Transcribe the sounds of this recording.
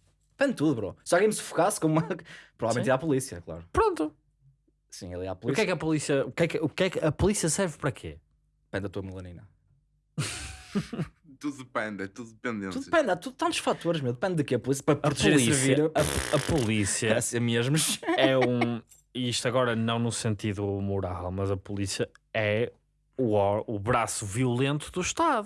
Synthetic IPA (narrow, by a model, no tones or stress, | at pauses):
d̪ɨpẽnd̪̚t̪uðuβɾo̰sɔlˠɣẽj̃nsu̥fu̥kaskomumɐpɾuvavlˠmẽt̪iɾapulˠisiɐklˠa̰ɾupɾõnt̪u | sĩḛlˠiɾa̰pulˠuiskɛkɐpulˠisiɐukɛkukɛkɐpulˠisiɐsɛɾvpɐɾɐkʰḛ | ðɨpẽnd̪ɐt̪uðumɨlˠɐninɐ | t̪uððɨpẽnd̪ɛt̪uðuðɨpẽnd̪ẽnuðpẽnd̪at̪uðut̪ɐ̃nt̪u̥ʃfat̪oɾʒmewðɨpẽnd̪ðɨkeɐpulˠis̬ɐpɾɐpɾt̪ˠisviɐɐɐɐpulˠisiɐsɐmeʒmuʃɛũ | iiʃt̪ɐɣɔɾɐnɐ̃w̃nusẽnt̪iðumuɾalˠmɐzɐpulˠisiɐɛ | uɔuβɾasuviulˠẽnt̪uðuʃt̪aðu